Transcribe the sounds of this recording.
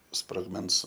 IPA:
sproːɡˈmʲɛns

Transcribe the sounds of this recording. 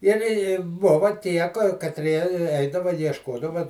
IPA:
ɪr ɪ ˈbʊʋɐ ˈtʲiɛ kɐtʲˈrʲiɛ ˈɛɪdɐʋɐ iɛʃˈkoːdɐʋɐ

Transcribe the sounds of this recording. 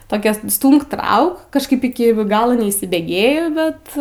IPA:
toːˈkʲɛ ˈstuːmk ˈtrɐʊk kɐʃˈkɐɪp ˈɪkʲɪ ˈɡɑːlˠoː nʲɛiːsʲɪbʲeːˈɡʲeːjoː ˈbʲɛt

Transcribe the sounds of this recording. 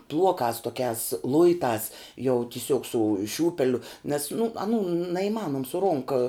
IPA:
ˈblˠuɔkɑːs tuɔˈkʲæːs ˈlˠʊɪtɑːs jɛʊ tʲɪˈsʲuɔk sʊ ˈʃʲuːpʲɛlʲʊ nʲɛs nʊ ɐˈnuː nɐiːˈmɑːnoːm sʊ ˈroːŋkɐ

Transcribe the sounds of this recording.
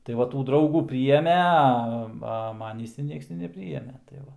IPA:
tɐɪ ˈʋɐ ˈtuː ˈdrɐʊɡuː pʲrʲiːˈjeːmʲeː ɐ ˈʋɐ ˈmɑːnʲiːs ɪr ˈnʲiɛks tʲɪ nʲɛpʲˈrʲiːjeːmʲeː tɐɪ ˈʋɐ

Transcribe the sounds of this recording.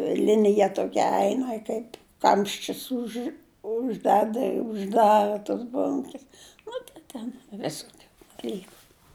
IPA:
ˈlʲɪnʲɪjɛ toːˈkʲɛ ˈɛɪnɐ ˈkɐɪp ˈkɐmʲʃʲt͡ʃʲʊs ʊʃ ʊʒʲˈdʲæːdɐ ɪ ʊʒˈdɑːrɐ toːs ˈboːŋʲkʲɛs nʊ tɐɪ ˈtʲɛn ˈʋʲɪsoːkʲʊ dɐˈlʲiːkʊ

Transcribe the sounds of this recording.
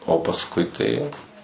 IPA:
oː pɐsˈkʊɪ tɐɪ jɛʊ

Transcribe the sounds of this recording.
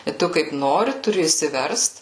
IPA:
ɪ ˈtʊ kɐɪp ˈnoːrʲɪ tʊˈrʲɪ ɪʃʲsʲɪˈʋʲɛrst

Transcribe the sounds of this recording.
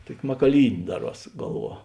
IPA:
ˈtuɔkʲɪ mɐkɐˈlʲiːnʲeː ˈdɑːˌruɔs ˈɡɐlˠˌʋuɔ

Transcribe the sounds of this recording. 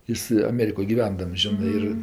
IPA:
ˈjɪs ɐˈmʲæːrʲɪkoːj ɡʲɪˈʋʲɛndɐms ˈʒʲɪnɜ ˈɪr

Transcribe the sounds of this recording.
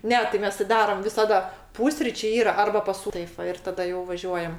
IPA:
ˈnʲɛ tɐɪ ˈmʲɛs tʲɪ ˈdɑːrɐm ʋʲɪsɐˈdɐ ˈpuːsʲrʲiːt͡ʃʲeː ˈiːrɐ ˈɐrbɐ pɐs ˈsuː ˈtɐɪp ˈʋɐ ɪr tɐˈdɐ jɛʊ ʋɐˈʒʲuɔjɛm

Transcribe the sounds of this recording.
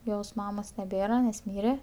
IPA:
ˈjoːs ˈmɑːmoːs nʲɛˈbʲeːrɐ nʲɛs ˈmʲiːrʲɛ

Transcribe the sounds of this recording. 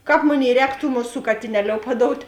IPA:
ˈkɑːp ˈmoːˌnʲeːɪ ˈrʲɛːk tuː ˈmʊˌsuː kɐtʲɪˈnʲæːˌlʲoːʊ pɐˈdoːʊtʲ

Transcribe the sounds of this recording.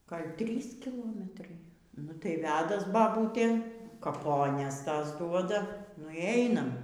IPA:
ˈɡɐlʲ ˈtʲrʲiːs kʲɪˈlˠoːmʲɛtrɐɪ ˈnʊ tɐɪ ˈʋʲæːdɐs bɐˈbuːtʲeː kɐˈpoːnʲɛs ˈtɐs ˈduɔdɐ nʊ iː ˈɛɪnɐm

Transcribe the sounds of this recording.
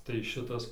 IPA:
tɐɪ ˈʃʲɪtɐs

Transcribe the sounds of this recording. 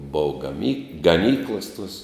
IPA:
ˈboːw ɡɐˈmʲiː ɡɐˈnʲiːklˠɐs tuɔs

